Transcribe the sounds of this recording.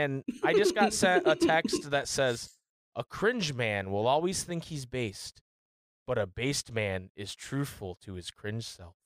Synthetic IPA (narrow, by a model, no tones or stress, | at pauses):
ɨ̃naɪd͡ʒʌsɡ̥ɑtsɛʔətʰɛkst̚ðɨtsɛz | ʔəkʰɹ̥ɪ̃nd͡ʒmæ̃nwɪlˠɔlˠwiz̥θɪ̃ŋkhizbeɪst̚ | b̥ʌɾɨbeɪst̚mæ̃nɪz̥tʰɹ̥ʉθfl̩ˠtʰɨɨz̥kʰɹ̥ɪ̃nʒ̥sɛ̰lˠf